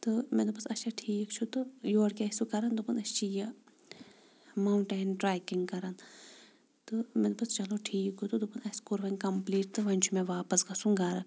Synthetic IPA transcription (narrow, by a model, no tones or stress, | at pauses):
t̪ɨmed̪upɐsɐʃʰɐʈʰiːkt͡ʃʰut̪ɨjoːɽkʲɐsukɐɾɐnd̪upɐnɐst͡ʃijɐ | mɐwɳʈeːnʈɾaːjkiŋɡkɐɾɐn | t̪ɨmed̪upɐst͡ʃɐloʈʰiːkot̪ud̪upɨnɐskuɾʋɐnʲkɐmpliːʈ̚t̪ɨʋɐnʲt͡ʃʰumẽʋaːpɐsɡɐsuŋɡaːɾɐ